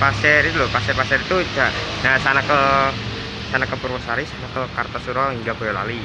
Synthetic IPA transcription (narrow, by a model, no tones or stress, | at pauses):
pasɛɾit̪ulʊpasɛrpasɛɾit̪ut͡ʃaəsanakə | sanakəpurwɔsaɾisanakəkart̪asuɾaɦiŋɡakojala̰li